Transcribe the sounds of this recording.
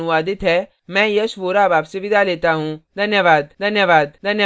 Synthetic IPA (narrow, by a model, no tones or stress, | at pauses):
ʊʋaːd̪ɪt̪ʰɦɛː | mɛ̃ːjəsʋoːɾaːbaːpseʋɪd̪aːleːt̪aːɦũːd̪ʱənjəʋaːd̪d̪ʱənjəʋaːd̪d̪ʱənjə